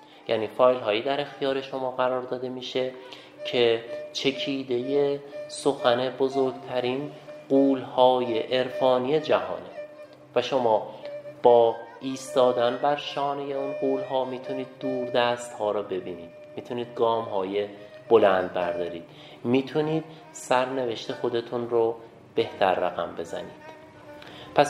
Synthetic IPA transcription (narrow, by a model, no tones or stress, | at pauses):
jæ̰niːfɒːjlɦɒːjiːd̪æɾe̞xt̪ʰijɒːɾe̞ʃo̞mɒːɣæɾɒːɾd̪ɒːd̪e̞miːʃe̞ | cʰe̞t͡ʃʰe̞cʰiːd̪e̞jesoxæne̞bozoɾɡt̪ʰæɾiːnɢuːlhɒːjeʔeɾfɒːnije̞d͡ʒæhɒ̰ːne̞ | væʃo̞mɒːb̥ɒːiːst̪ɒːd̪ænbæɾʃɒːnejeunɢuːlɦɒːmiːt̪ʰuniːd̪̚ːuːɾd̪æːst̪hɒːɾɒːbe̞biːniːd̪̥̚mit̪ʰuniːd̪̚ɡɒːmɦɒːje̞ | b̥o̞lænd̪̚bæɾd̪ɒːɾiːd̪̥ | miːt̪ʰuniːd̪̥ | sæɾne̞ve̞ʃt̪e̞xo̞d̪e̞t̪ʰunɾo | b̥e̞ht̪ʰæɾːæɣæ̰mbe̞zæ̰niːd̪̥ | pʰæs